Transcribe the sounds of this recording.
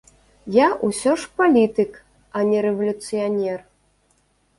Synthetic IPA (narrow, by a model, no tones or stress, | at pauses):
jaʔusʲɔʂpalʲit̪ɨk | ɐnʲɛɾɛvɐlʲut̪sɨjanʲɛr